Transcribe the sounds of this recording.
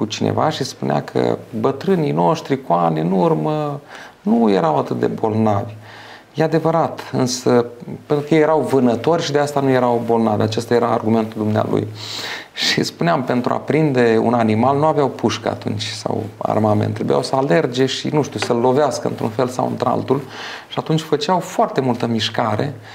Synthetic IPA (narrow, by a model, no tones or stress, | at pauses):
kut͡ʃinʔḛva̰ʃispunea̰kʰə̰bət̪ɾɨnino̞ʃt̪ɾikuaneɨnurmənujeɾawat̪ɨt̪̚d̪e̞̰bo̞lnavʲ | jead̪e̞vəɾat̪ɨnsəpent̪ɾukəjejeɾawvɨnət̪o̞rʲʃid̪east̪anuje̞ɾawbo̞lnavʲat͡ʃest̪aje̞ɾaːrɡume̞nt̪uld̪umnea̰lṵj | ʃispuneampe̞nt̪ɾua̰pɾind̪e̞ṵnanimalnuaveawpʰuʃkə̰a̰t̪ṵnt͡ʃʲsa̰wa̰rmament̪ːɾebuja̰wsəale̞rd͡ʒe̞ʃḭnuʃt̪usəlːo̞veaskəɨ̰nt̪ɾṵnfe̞lsa̰wɨ̰nt̪ɾa̰lt̪ulʃiat̪unt͡ʃʲfət͡ʃeawfoart̪e̞mult̪əmiʃkaɾe̞̰